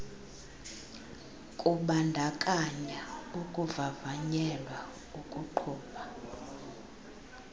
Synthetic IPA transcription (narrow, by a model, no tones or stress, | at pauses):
kʼuɓandʱakʼaɲaukʼuvavaɲɛlwa | ukʼuǃʰuːɓa